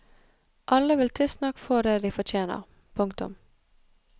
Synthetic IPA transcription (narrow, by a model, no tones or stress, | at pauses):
ʔɑləʋɪlt̪ʰɪlsnɑkfɔd̪eːd̪iːfɔt͡ʃ̪ʰeːnə̰ʁ | pʰʊŋkt̪ʊ̰m